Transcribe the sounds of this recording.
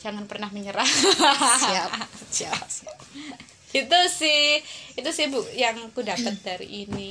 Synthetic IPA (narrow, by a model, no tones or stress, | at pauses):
d͡ʒaŋanpərnahməɲəɾasiasət͡ʃa | it̪usɪhit̪usɪhbujaŋkudapət̪̚daɾḭʔini